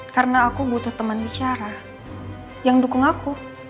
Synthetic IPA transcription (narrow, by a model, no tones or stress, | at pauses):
kaɾənaːkubut̪ʊht̪əmənbit͡ʃaɾa | jaŋdukʊŋaku